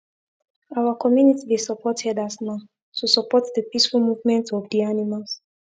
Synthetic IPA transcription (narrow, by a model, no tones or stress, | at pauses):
aʊakʰɔmjunitibisəpʰɔtʰɛdasna | tʰusəpɔtdəpisfulmuvmɛ̃ntɔvdianimalˠs